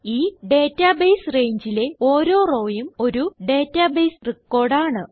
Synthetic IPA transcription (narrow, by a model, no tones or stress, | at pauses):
iːɖe̞ːtːabejsre̞jɲd͡ʑile̞oːɾo̞ːro̞ːjumo̞ɾuɖe̞ːtːabejsrikːo̞ːrɖaːɳɨ